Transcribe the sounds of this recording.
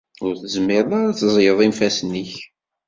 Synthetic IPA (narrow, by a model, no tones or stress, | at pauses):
ʊɾθəzmːɪɾðaɾat͡sːzˤjəðˤimfæsənːiç